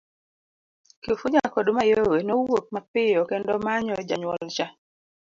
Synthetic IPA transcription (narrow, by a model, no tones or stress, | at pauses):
kifud͡ʒakodomajowenowok̚mapɪjɔkɛndɔmaɲɔd͡ʒaɲwɔlt͡ʃa